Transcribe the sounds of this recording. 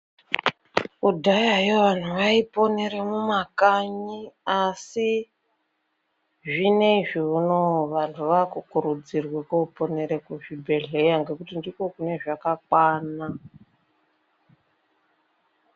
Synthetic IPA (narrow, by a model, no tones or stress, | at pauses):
udʱajajoʋan̤uʋaipo̞neɾemumakaɲiasi | ʐine̞iʐiunoʋantʰuʋakukuɾud͡zirwekoupo̞ne̞ɾe̞kuʐibʱe̞ɮe̞jaŋɡe̞kutindiko̞kune̞ʐakakwaːna